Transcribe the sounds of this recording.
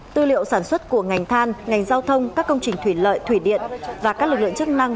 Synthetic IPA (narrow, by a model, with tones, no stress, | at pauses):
t̪ɨ˧lḭ˧˨ə˨wsaː˧˩nswə˦˥t̚ku˧˩əŋa˨˩jŋ̟t̪ʰaː˧nŋa˨˩jŋ̟zaː˧wt̪ʰə˧wŋ͡mkaː˦˥kːə˧wŋ͡mt͡ɕï˨˩ŋ̟t̪ʰwi˧˩lə̰ː˧˨jt̪ʰwi˧˩ɗḭ˧˨ənvaː˨˩kaː˦˥k̚lɨ˨˩k̚ɨ˧˨əŋt͡ɕɨ˦˥k̚na˧ŋ